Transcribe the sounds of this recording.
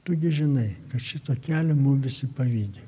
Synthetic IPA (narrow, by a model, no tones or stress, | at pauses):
t̪oːɡʲɪʒʲɪnɐɪkɐt̪ʃʲɪt̪oːkʲæːlʲɛmʊmʋʲɪsʲɪpɐʋʲiːd̪ʲe